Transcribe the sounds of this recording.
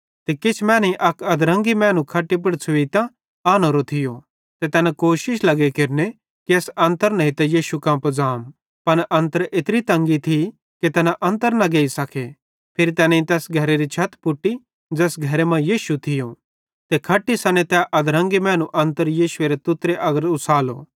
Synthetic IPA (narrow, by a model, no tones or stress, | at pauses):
t̪ekɪt͡ʃʰmɛːnĩʔɐkɐd̪ɾɐ̃ŋɡimɛ̃ːnũkʰɐʈːip̬ɐɽt͡sʰʊit̪ã | aːnoɾot̪ʰɪjo | t̪et̪ɛːnãkoːʃɪʃlɐɡekeɾne | kiɐːsɐ̃nt̪əɾnɐ̃ɦĩt̪ɛjiːʃukãːmpd͡zaːm | pɐnʔɐ̃nt̪əɾʔɪt̪ɾit̪ɐ̃ŋɡit̪ʰi | ket̪ɛːnaʔɐ̃nt̪̬əɾnɐ̃ɡeːisɐkʰe | pʰɪɾit̪ɛːnẽĩt̪ɛːsɡʱɐɾeɾit͡ʃʰɐt̪pʊʈːi | d͡ʒɛːsɡʱɐɾemɐ̃jiːʃut̪ʰɪjo | t̪ekʰɐʈːisɐnet̪ɛʔɐd̪ɾɐ̃ŋɡimɛ̃ːñũʔɐ̃nt̪əɾjiːʃʊeɾet̪ʊt̪ɾeʔɐɡəɾʊsaːlo̰ː